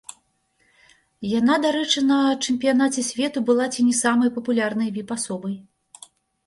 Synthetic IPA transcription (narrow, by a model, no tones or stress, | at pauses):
jan̪ad̪aɾɛt͡ʂɨnɐt͡ʂɨmʲpʲijanat͡sʲɛsʲvʲɛt̪ubɨlˠat͡sʲinʲɛsamɐjpɐpulʲarnɐjvʲipasɔbɐj